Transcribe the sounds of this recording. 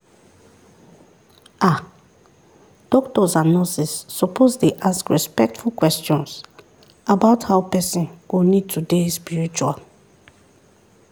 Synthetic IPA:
a | d̥ɔktɔzãnnɔsisːɔpʰozdeʔaskɹɛspɛk̚tfulkwɛstɔ̃ns | abaʊthaʊpɛsĩnɡ̥onid̚tʰudespiɹit͡ʃual

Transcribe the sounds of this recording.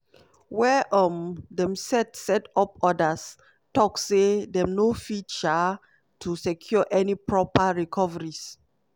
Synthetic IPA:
wɛʔɔmdɛ̃msɛtsɛtɔp̚ɔdas | tɔksedɛmnofit͡ʃa | tʰusɛkʰjɔʔɛnipɹɔpaɹikʰɔvəɹis

